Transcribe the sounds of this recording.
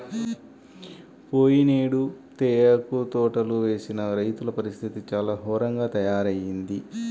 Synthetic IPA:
poːjineːɽut̪eːɐkut̪ɔːʈɐluʋe̞ːsinɐɾɐjt̪ulɐpɐɾist̪ʰit̪it͡ʃaːlaːɦɔːɾɐŋɡaːt̪ɐjaːɾɐjind̪i

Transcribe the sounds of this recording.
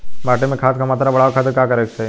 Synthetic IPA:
baːʈẽmẽkʰaːskamaːt̪ɾabɐɽaːkʰaːt̪̬ekaːkɐɾesse

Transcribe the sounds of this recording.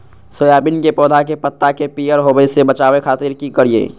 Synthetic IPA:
sojaːbinkepɔːd̪ʱakepət̪ːakepijəɾɦobəsebət͡ʃaːʋekʰaːt̪iɾkikəɾiḛː

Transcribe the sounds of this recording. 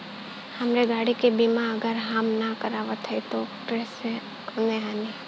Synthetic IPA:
hɐmɾeɡaːɽikebiːmaɐɡəɾɦamnakɐɾaːʋət̪ɦəit̪okɾese | kɐneɦaːni

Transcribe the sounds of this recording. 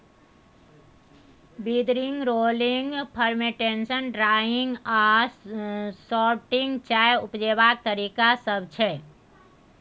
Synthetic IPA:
bid̪ɾɪ̃ŋɡɾoːlɪŋɡpʰəɾmeʈenʃənɖɾaːɪ̃ŋɡa | sɔːʈɪ̃ŋɡt͡ʃaːjeʊpd͡ʒeːbaːk̚t̪əɾiːkasəbt͡ʃʰɛː

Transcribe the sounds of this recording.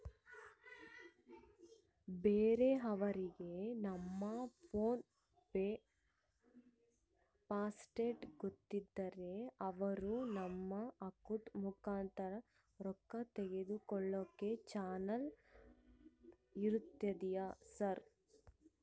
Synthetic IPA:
beːɾe̞ɐʋɐɾiɡe̞nɐmːɐpʰoːn | be | paːsʈeːʈɡot̪ːid̪ːɐɾe̞ɐʋɐɾunɐmːɐɐkut̪mukaːnt̪ɐɾɐ | ɾɔkːɐt̪eɡe̞d̪ukɔɭːokːe̞t͡ʃaːnɐl | iɾut̪ːɐd̪ijasɐɾ

